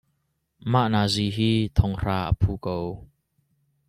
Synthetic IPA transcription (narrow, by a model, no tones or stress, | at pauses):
maʔnaːziːɦiːt̪ʰɔŋr̥aːʔə̰pʰuːkow